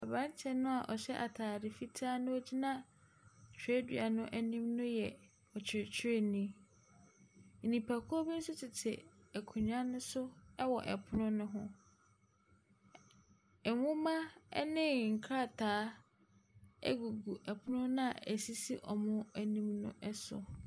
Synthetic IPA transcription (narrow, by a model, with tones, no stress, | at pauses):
a˨bã˦n˦t͡ɕʰɛ˨nʊ̃˦a˨ʔɔ˨ɕɛ˦ʔa˨tʰaː˨dɪ˨fi˦tʰaː˦nʊ̃˦o˦d͡ʑi˦nã˦˨ | t͡ɕʰe˦dɥa˨nʊ̃˦ʔæ˨nĩ˦mnʊ̃˦jɛ˨ | ɔ˨t͡ɕʰɪ˨t͡ɕʰe˦nĩ˦˨ | nĩ˨pʰa˨kʰʊ˦o˦bɛ˦n̩˦sʊ˦t͡ɕʰɪ˨tʰɪ̰˨æ˨kʰu˨ɲã˦nʊ̃˦sʊ˦ɛ˦wɔ˨ʔɛ̰˨pʰʊ˦nʊ̃˦nʊ̃˦ɦʊ̃˦ | ɛ˨mʊ̃˦mã˦nɪ̃˦ŋ̩˨kʰɾa˦˨tʰaː˨˦ | æ̰˦ɡu˨ɡu˨ʔɛ˨pʰʊ˦nʊ̃˦nã˦˨æ˨si˦si˦ʔɔ˨mʊ̃˦æ˨nĩ˦mnʊ̰̃˦ʔɛ˦sʊ̰˨